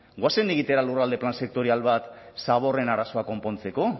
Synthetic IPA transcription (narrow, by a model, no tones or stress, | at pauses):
ɡwaseniɣit̪e̞ɾalurald̪e̞planse̞k̚t̪o̞ɾialβat̪ | saβ̞o̞re̞naɾaso̞ako̞mpo̞nt͡se̞ko̞